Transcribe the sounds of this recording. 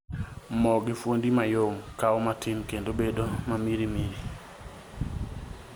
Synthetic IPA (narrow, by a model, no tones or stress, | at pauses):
mɔɡɪfwondimajoŋkaɔmatʰɪnkendobedomamiɾimiɾi